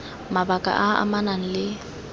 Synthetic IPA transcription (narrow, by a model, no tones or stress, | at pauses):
mabakʼa̰ʔaa̰manaŋ̩lɪ